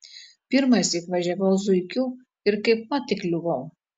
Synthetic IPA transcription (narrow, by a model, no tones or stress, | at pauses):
pʲɪɾmɐsʲɪkʋɐʒʲɛʋɐʊzʊɪkʲuː | ɪɾkɐɪp̚mɐt̪ʲɪklʲʊʋɐʊ